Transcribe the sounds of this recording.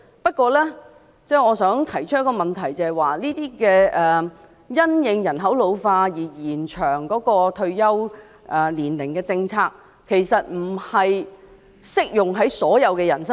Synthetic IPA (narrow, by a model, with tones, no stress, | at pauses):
pɐ˥t̚kʷɔː˧lɛː˥ | t͡sɛː˥˩ŋɔː˨˧sœː˨˥ŋt̪ʰɐ˨˩jt͡ʃʰɵ˥jkːɔː˧mɐ˨nt̪ʰɐ˨˩jt͡sɐ˨˧hɐ˨˩waː˨niː˥t̪iː˥kɛː˧ʔɛː˨ | jɐ˥njɪ˧ŋjɐ˨˩nɦɐ˨˥wlo˨˧wfaː˧jiː˨˩jiː˨˩nt͡ʃʰœː˨˩ŋkɔː˨˥kɔː˧t̪ʰɵ˧ɥjɐ˥w | ʔɛ˨liː˨˩nlɪ˨˩ŋkɛː˧t͡sɪ˧ŋt͡sʰaː˧k̚ | kʰːe˨˩jsɐ˨t̚m̩˨˩hɐ˨j | sɪ˥k̚jʊ˨ŋɦɐ˨˥jsɔː˨˥jɐ˨˧wkɛː˧jɐ˨˩nsɐ˥